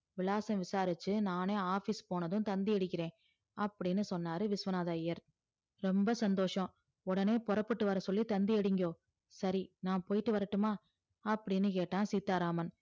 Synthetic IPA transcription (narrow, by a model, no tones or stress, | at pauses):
ʋɪlaːsɐ̃mʋɪsaːɾɪt͡ʃːɯnaːneːaːfiːspoːnɐðɯ̃t̪ɐnd̪ɪɛɽɯkːɪɾẽː | ɐpːɐɽɪnːɯsɔnːaːɾɯʋɪsʋɐnaːðaːjɐɾ | ɾɔmbɐsɐnd̪oːʂɐ̃ | ʊɽɐneːpɔɾɐpːɯʈːɯʋɐɾɐsɔlːit̪ɐnd̪ɪɛɽɪŋɡoː | sɐɾinãːpoːjɪʈːɯʋɐɾɐʈːɯmaː | ɐpːɐɽɪnːɯkeːʈːãːsiːt̪ːaːɾaːmɐn